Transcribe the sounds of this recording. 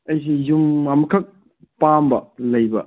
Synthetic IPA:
ɐjs̬ijumamɐkʰɐk̚ | pambɐlɐjbɐ

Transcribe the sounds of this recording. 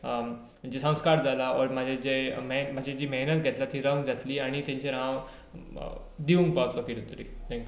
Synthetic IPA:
d͡ʑisə̃w̃skaɾd͡zalaɔɾm̤ad͡ʑʱed͡ʑemem̤ad͡ʑʱed͡ʑiːmeɦnət̪̚ɡʱɛt̪lat̪iːɾəŋɡd͡zat̪liːaɽ̃it̪jãɲt͡ɕeɾãʋ | d̪iʋũŋk̚paɦt̪lɔkiɾut̪əɾḭːt̪ʰɛ̃ŋkʲju

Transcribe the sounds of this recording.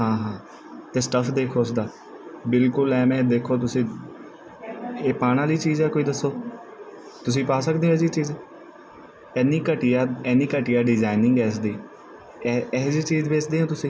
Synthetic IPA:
ɦãːɦãː | t̪eːsʈəpʰd̪eːkʰoːsd̪aː | bɪlkʊlɛːmɛ̃ːd̪eːkʰoːt̪̬ʊsĩː | eːpaːɽ̃ãːliːt͡ʃiːzɛːkoːiːd̪əsːoː | t̪ʊs̬ĩːpaːsəkd̪eːõɛːsiːt͡ʃiːz | ɛːnĩːkəʈijaːɛːnĩːkəʈijaːɖɪzaːɪnɪ̃ŋɡɛːsd̪iː | ɛːziːt͡ʃiːzbeːt͡ʃd̪eːɦõːt̪ʊsĩː

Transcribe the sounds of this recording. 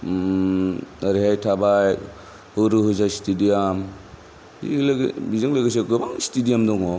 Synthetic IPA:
aɾiɦajtʰabaj | hɯɾɯɦɯzasi̥tidijam | ilbizɯŋlaɡes̬eɡɯbaŋsi̥tidijamdɔŋɔ

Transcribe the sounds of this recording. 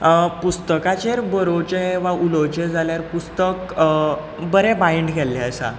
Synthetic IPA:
pust̪əkat͡ɕeɾbəɾot͡ɕeʋaulot͡ɕed͡zʱaljaɾpust̪ək | bəɾebaiɳɖɡʱɛlːaəsa̰

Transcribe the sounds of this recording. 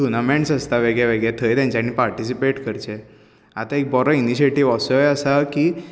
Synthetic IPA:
junameɳʈsəst̪aʋeɡɭaʋeɡɭat̪ʰəjt̪ɛ̃ɲt͡ɕanːipaɾʈis̬ipeʈkəɾt͡ɕe | at̪aek̚bɔɾɔiniɕieʈiʋəsɔjəsaki

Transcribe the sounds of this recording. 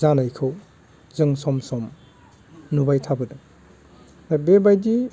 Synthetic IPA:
zanajkʰɯw | zɯŋsɔmsɔm | nubajtʰabɯdɯ | abebajdi

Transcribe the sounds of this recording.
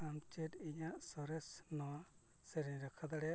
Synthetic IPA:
amt͡ʃiʈiɲaʔsɔɾɛsnɔwa | seɾɛɾakʰad̪aɽɛ

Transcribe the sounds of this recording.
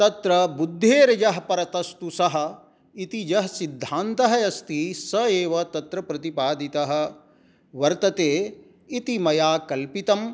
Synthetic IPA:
t̪ɐt̪ɾɐbud̪ʱːeːɾɐd͡ʒɐɦɐpɐɾɐt̪ɐst̪usɐɦɐ̆ | it̪id͡ʒɐɦɐsid̪ʱːaːnt̪ɐɦɐjɐst̪isɐeːʋɐt̪ɐt̪ɾɐpɾɐt̪ipaːd̪it̪ɐɦɐ̆ | ʋɐɾt̪ɐt̪eː | it̪imɐjaːkɐlpit̪ɐm

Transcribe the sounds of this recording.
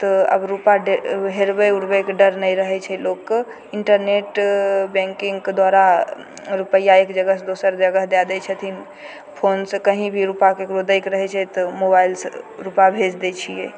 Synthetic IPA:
t̪ɔə̰bɾupaɖɦeɾbɛuɾbɛkeɖəɾnɛjɾəɦɛt͡ʃʰɛlokː | iɳʈəɾneʈbɛ̃ŋkiŋɡked̪waɾa | ɾupəjːaekd͡ʒəɡəɦd̪osəɾd͡ʒəɡəɦd̪ad̪ɛt͡ʃʰət̪ʰin | pʰonsəkəɦĩbʱiɾupakekɾod̪əjkɾəɦɛt͡ʃʰɛt̪ɔmobailsɾupabʱed͡ʒd̪et͡ʃʰijɛ

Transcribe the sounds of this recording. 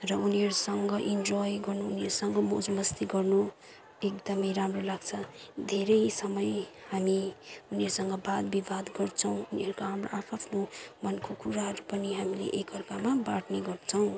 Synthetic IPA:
rʌuniɦʌɾusʌŋɡʌʔind͡zɔjɡʌrnuːniʌɾusʌŋɡʌmod͡zmʌst̪iɡʌrnu | ek̚d̪ʌmʌjɾamrolaɡt͡sʰʌd̪ʱeɾʌjsʌmʌj | hamiuniʌɾusʌŋɡʌbad̪bibad̪ɡʌrt͡sʰʌw̃uniɦʌɾukoɦamroʔapʰapʰnomʌnkokuɾaɦʌɾupʌniɦamilḛʔekʌrkamabaʈneɡʌrt͡sʰʌw̃

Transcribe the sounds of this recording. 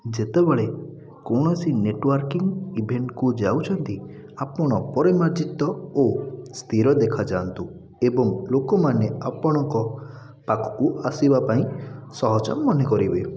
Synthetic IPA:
d͡ʒet̪ebeɭe | kɔɽ̃ɔsineʈwaɾkiŋɡibʱeɳʈkud͡ʒawt͡ʃʰɔnt̪i | apɔɽ̃ɔpɔɾemaɾd͡ʒit̪ːɔost̪ʰiɾɔd̪ekʰad͡ʒant̪u | ebɔŋlokɔmaneapɔɽ̃ɔŋkɔ | pakɔ̥kuasibapaĩsɔɦɔt͡ʃɔ̰mmɔnekɔɾibe

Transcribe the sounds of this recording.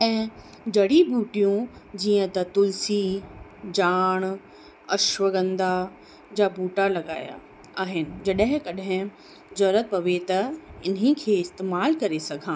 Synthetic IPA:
ɛ̃ː | d͡ʑɐɽibʱuːʈijũd͡ʑiːə̃t̪ɐt̪ʊlsid͡ʑaːɽ̃ | ɐʃʋəɡə̃nd̪a | d͡ʑabʱuːʈalɐɡaːja̰ | aːɦɪnɪ̆d͡ʑɐɗəɦɪ̃kɐɗɦɪ̃ | d͡ʑɐɾət̪̚pɐʋet̪ɐɪnĩkʰeːɪst̪eːmaːlkɐɾesɐɡʱãː

